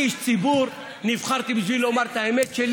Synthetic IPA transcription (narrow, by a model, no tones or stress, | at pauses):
iʃt͡sibuɾ | nifχaɾt̪ibzilomɐɾt̪ajmet͡ʃʰel